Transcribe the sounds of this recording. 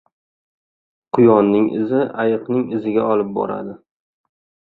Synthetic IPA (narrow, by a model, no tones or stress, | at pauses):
qʰʊjɒnːɪŋɪ̰zɪʔajɨqnɪŋɪzɪɡʲaɒlˠɪp̚bɒ̰ɾa̰d̪ɪ